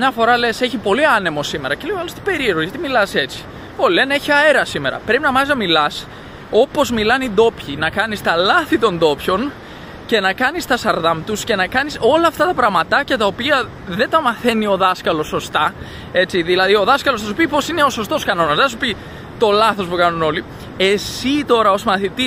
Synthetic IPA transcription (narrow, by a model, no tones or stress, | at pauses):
mɲɐfo̞ɾɐle̞se̞çipo̞liɐne̞mo̞sime̞ɾɐce̞leoɐlost̪i̥be̞ɾieɾɣoʝɐt̪imilɐse̞t͡si̥ | ole̞neçiɐe̞ɾɐsime̞ɾɐ̰pɾe̞pinɐmɐznɐmilɐs | o̞po̞zmilɐnid̪o̞pçinɐkɐnist̪ɐlɐθit̪o̞nd̪o̞pço̞n | ce̞nɐkɐnist̪ɐst̪ɐɾðɐmt̪usce̞nɐkɐniso̞lɐːft̪ɐt̪ɐpɾɐɣmɐt̪ɐcɐt̪ɐo̞piɐ | ðe̞t̪ɐmɐθe̞nio̞ðɐskɐlo̞sːo̞st̪ɐ | e̞t͡siðilɐðio̞ðɐskɐlo̞sθɐsupipo̞sineo̞so̞st̪o̞skɐno̞nɐzðeθɐs̬upi | t̪o̞lɐθo̞spukɐnuno̞li | e̞sit̪o̞ɾɐo̞smɐθit̪is